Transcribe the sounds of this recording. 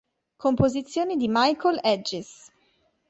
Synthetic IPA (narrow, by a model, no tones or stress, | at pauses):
kompozit̪sːjoːnid̪imajkʰolɛd͡ʒis